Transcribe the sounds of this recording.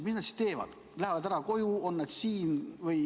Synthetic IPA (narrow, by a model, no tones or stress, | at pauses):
misnæt̪si̥t̪e̞ːvɑ̰d̪̥ | læhevɑd̪æɾɑko̞juo̞nːed̪̥siːnvɤj